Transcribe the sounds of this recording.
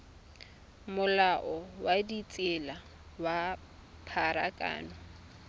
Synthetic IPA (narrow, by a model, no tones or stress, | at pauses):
mʊlaʔɔwadit͡sʼɪla | wa | pʰaɾa̰kʼa̰ːnɔ